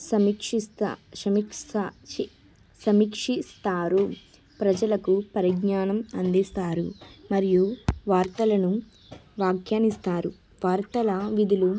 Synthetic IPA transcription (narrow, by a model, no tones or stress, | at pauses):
sɐmikʂiɐmi | sɐmikʂist̪aːɾu | pɾɐd͡ʒɐlɐkupɐɾiɡɲaːnɐmɐnd̪ist̪aːɾṵmɐɾijuʋaːɾt̪ɐlɐnu | ʋaːɡʰjaːnist̪aːɾu | ʋaːɾt̪ɐlɐʋid̪ʱilu